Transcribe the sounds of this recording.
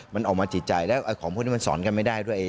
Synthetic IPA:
ma˧nʔɔː˨˩k̚maː˧t͡ɕʰi˨˩t̪̚t͡ɕa˨˩jlɛː˦˥˩wʔa˧kʰɔː˨˦kʰu˥˩nʰi˥mː˧nsɔ̰ː˩˦nka˧nma˥˩jdaː˥˩jdu˥˩əjʔː

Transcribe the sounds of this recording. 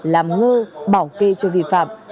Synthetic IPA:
laː˨˩mŋəː˧ɓaː˧˩wke˧t͡ɕɔ˧vḭ˧˨fa̰ː˧˨m

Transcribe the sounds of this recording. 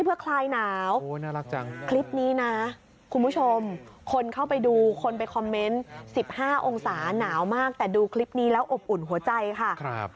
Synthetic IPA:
jpʰɯ˦˥ɐkʰlaː˧jnaː˩˦wo˧na˦˥la˦˧kt͡ɕa˧ŋkʰli˦˥p̚niː˦˥na˦˥ | kʰu˧nbʰu˦˥t͡ɕʰo˧mkʰo˧nkʰa˥˩wpa˧jduː˧kʰo˧np̬a˧jkʰɔ˧mːe˦˥nsi˨˩p̚haː˥˩ʔo˧ŋsaː˩˦naː˩˦wmaː˥˩k̚t̪ɛː˨˩duː˧kʰli˦˥p̚niː˦˥lɛː˦˥wʔo˨˩p̚ʔu˨˩nɦu˨˩˦ɐt͡ɕa˧jkʰa˥˩kʰɾp

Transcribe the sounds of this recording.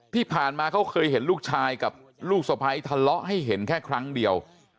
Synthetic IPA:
t̪ʰiː˥˩pʰaː˨˩nmaː˧kʰa˦˥wkʰɤː˧jɦe˩˦nluː˥˩k̚t͡ɕʰaː˧jka˨˩p̚ | luː˥˩k̚sa˨˧˩pʰa˧jt̪ʰa˧lɔ˦˥ʔɦa˥˩jɦe˩˦nkʰɛː˥˩kʰɾa˦˥ŋdi˧əw

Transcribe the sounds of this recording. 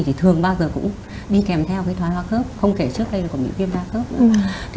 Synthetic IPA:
t̪ʰi˨˩ɨ˨˩əŋɓaː˧wzəː˨˩kʊ̰˧˥ŋ͡m | ɗi˧kɛ˨˩mt̪ʰɛ˧wkaː˨˦jt̪ʰwa˨˦jhwaː˧xəː˦˥p̚xə˧wŋ͡mke˧˩t͡ɕɨ˦˥k̚ɗə˧jlə˨˩kːmḭ˧˥vi˧ənzaː˧xəː˦˥p̚nɨ̰˧˥k

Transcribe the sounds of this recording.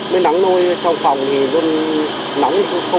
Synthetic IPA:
me˨˦na˨˦ŋno˧jsa˧wŋ͡mfa˨˩wŋ͡mt̪ʰi˨˩zo˧n | na˨˦ŋ˧xə˧

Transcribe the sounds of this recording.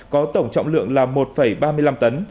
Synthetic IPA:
kɔ˨˦t̪ə˧˩wŋ͡mt͡ɕɔ̰˧˨wŋ͡mlɨ̰˧˨əŋlaː˨˩mo˨˩t̚fə˧˩jɓaː˧mɨ˧əjla˧mt̪ə˨˦n

